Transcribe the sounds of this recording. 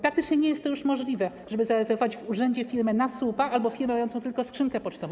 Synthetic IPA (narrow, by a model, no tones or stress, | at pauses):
pɾak̚t̪ɘt͡ʂɲɛɲɛjɛst̪t̪ːɔjuʂmɔʐlʲivɛ | ʐɛbɘzaɾɛzɛɾvɔvad͡ʑvuʐɛɲd͡ʑɛfʲiɾmɘnasupaʔalbɔfʲiɾmɛmajɔnt̪ɔ̃t̪ɘlkɔskʂɘnŋkɛpɔt͡ʂt̪ɔvɔ̃